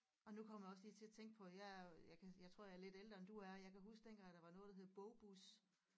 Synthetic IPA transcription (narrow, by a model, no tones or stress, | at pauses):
ɒ̽nukʰɒ̽m̰jɑɒ̽slḭːt͡sʰe̝læt͡sʰeŋ̰ɡ̥əpʰɒ̽jajɑ̈ɪkʰæjɑ̈ɪt͡sʰʁo̝̰jɑɐle̝d̥eld̥ʁɐend̥uæɐjɑ̈ɪkʰæɦusɡ̥̚d̥enɡ̥æɐd̥ɑ̈ʋɑ̈nɔ̽ːð̩ˠd̥ɐɦe̝ð̩ˠb̥ɔʊb̥us